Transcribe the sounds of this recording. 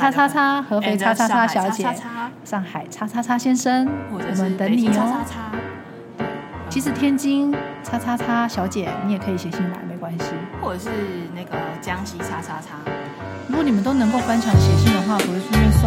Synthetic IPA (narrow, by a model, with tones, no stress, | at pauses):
t͡sʰa˥t͡sʰa˥t͡sʰa˥xɤ˧˥fe˧˥ɪt͡sʰa˥t͡sʰa˥t͡sʰa˥ɕjɑ˧˥ʊt͡ɕjɛ˨˩˥ʂɑ˥˩ŋxa˨˩ɪt͡sʰa˥t͡sʰa˥t͡sʰa˥ɕjɛ˥nʂə˦ŋwwɔ˨˩mə˦nt̪ə˧˦˥ŋni˨˩ɔ˧˦˥a˥ | t̪we˥˩ɪt͡ɕʰi˧˥ʂɻ̩˧˥t̪ʰjɛ˥nt͡ɕi˥ŋt͡sʰa˥t͡sʰa˥t͡sʰa˥ɕjɑ˧˥ʊt͡ɕjɛ˨˩˦ni˨˧˥jɛ˨˩kʰɤ˧˥i˨˩ɕjɛ˧˦ɕi˥˩ŋla̰˧˥ɪme˧˥˩ɪkwa˥nɕi˧wɔ˥˩ə˨˩ʂɻ̩˥˩na˥˩ɡə˩t͡ɕjɑ˦ŋɕi˧˥t͡sʰa˥t͡sʰa˥t͡sʰa˥ | ɻu˧˥kwɔ˧˦ni˨˩mə˨˦t̪o˥ʊnə˧˥ŋko˥˩ʊkwa˥nt͡ɕʰjɑ˧˥ŋɕjɛ˧˥ɕi˥˩ŋd̪ə˩xwa˥˩pi˥˩ʂ̩˥o˥˩s